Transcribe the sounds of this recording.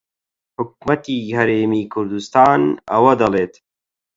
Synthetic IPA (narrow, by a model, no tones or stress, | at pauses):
ħʊk̚mɐt̪iːhɐɾeːmiːkʰʊɾd̪ust̪aːnɐ̰wɐd̪ɐleːt̪